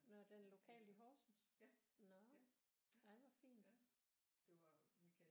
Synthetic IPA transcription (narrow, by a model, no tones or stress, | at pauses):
nɔd̥enlo̝kʰɛ̰ːliɦɒːsn̩snɔ̥ | ɑɪʋɑfḭːn | d̥eʋɑmikʰɛ